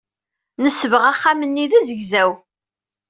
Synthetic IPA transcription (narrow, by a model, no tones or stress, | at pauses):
nəsːəvəʁaχːamənːiðæzəʝzæw